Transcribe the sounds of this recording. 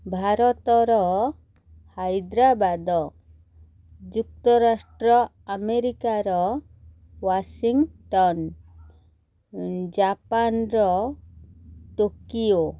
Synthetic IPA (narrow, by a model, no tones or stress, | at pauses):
bʱaɾɔt̪ɔɾɔ | hajd̪ɾabad̪ɔ | d͡ʒuk̚t̪ɔɾasʈɾɔ | ameɾikaɾɔ | wasiŋɡʈɔn | d͡ʒapanɾɔ | ʈukio